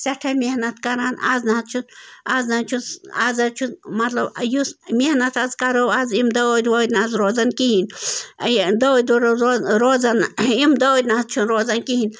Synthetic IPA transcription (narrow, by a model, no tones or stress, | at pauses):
sɐʈʰamʲehnɐt̪kɐɾana̰znaɦɐt̪̚t͡ʃʰunaznat͡ʃʰusazɐt͡ʃʰunmɐt̪lɐbjusmehnɐt̪ɐzkɐɾoazimd̪ɐwod̪wad̪nazɾoːzɐnkiɦin | d̪ɐod̪ɾɾozɐnimd̪ɐod̪ʲnat̪̚t͡ʃʰunɾoːzɐnkiɦin